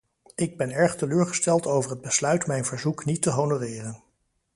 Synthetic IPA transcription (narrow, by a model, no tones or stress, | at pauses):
ɪɡ̚bɛnɛɹχtəløːɹχəstɛlˠtowvəɹɦəd̚bəslœɥtmɛjnvəɹzuknitəɦonorɪːrən